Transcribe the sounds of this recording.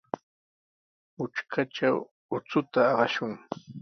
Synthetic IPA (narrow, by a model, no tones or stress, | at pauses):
ʊʈ͡ʂkʰaʈ͡ʂaw | ʊt͡sʊt̪aɑɢɑʃʊŋ